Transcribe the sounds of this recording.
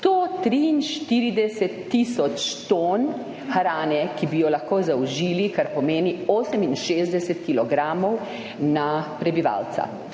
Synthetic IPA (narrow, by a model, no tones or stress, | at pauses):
t̪ot̪ɾiːnʃt̪iɾid̪ɛsɛt̪ːiːsɔt͡ʃt̪on | xɾaːnɛkibijɔlaxkoːzawʒiːlikaɾpɔmeːnioːsəminʃeːzd̪ɛsɛt̪kilɔɡɾaːmɔw | napɾɛbiʋa̰ːlt̪sa̰